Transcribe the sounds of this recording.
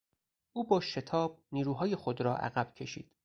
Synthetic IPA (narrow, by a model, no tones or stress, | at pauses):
ʔuːbɒːʃe̞t̪ʰɒːb̥̚niːɾuːɦɒːjexod̪ɾɒːʔæ̰ɣæb̥cʰe̞ʃḭːd̪̥